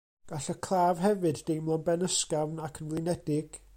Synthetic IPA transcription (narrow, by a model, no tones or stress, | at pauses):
ɡ̥aɬəkʰlˠaːvɦɛvɨddejmlˠɔnbɛnəskavnakʰənvlɨnɛdɪɡ̥